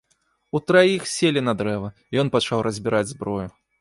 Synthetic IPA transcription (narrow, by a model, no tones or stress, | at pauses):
ut̪ɾajixsʲelʲinɐd̪ɾɛvɐ | jɔnpɐt͡ʂawrɐzʲbʲiɾʔad͡zʲzbɾɔju